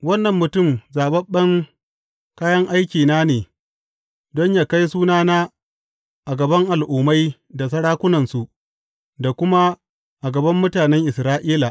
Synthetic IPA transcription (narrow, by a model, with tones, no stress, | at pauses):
wɐ˦nːɐ˨mːʊ˨tʊ˦˨mzaː˨bɐ˦ɓːɐ˦ŋ | kaː˦jɐ˦ŋʔa˦jkʲiː˨naː˦neː˨ | dɔ˦ɲjaː˨ka˦jsuː˦naː˦naː˦ | ʔa˨ɡɐ˨bɐ˦ŋʔa˨lʔuː˨ma˦j | da˨s̬ɐ˦ɽaː˦kʷʊ˦nɐ˨nsu˨ | da˨kʷʊ˦ma˦ | ʔa˨ɡɐ˨bɐ˦mːʊ˦taː˨nɛ˦ŋʔɪ˨sɾaː˦ʔiː˦la˨ʔ